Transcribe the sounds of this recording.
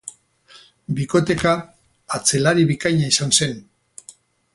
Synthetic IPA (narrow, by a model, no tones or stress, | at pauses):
biko̞t̪e̞kaː | t͡se̞laɾiβikaɲaisanse̞n